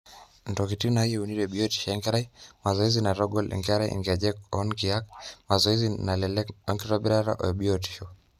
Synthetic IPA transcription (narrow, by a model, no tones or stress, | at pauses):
ndɔkitinaijɛuniɾɛɓiɔti̥ʃɛŋɡɛɾaimazɔɛzinaɾɔɡɔlʔɛ̰ŋɡaɾaiʔḭŋɡad͡ʒɛkɔnkiak̚mazɔɛzinalɛlɛɔŋɡiɾɔɓiɾaɾa̰ʔɔ̰ɛɓiɔti̥ʃɔ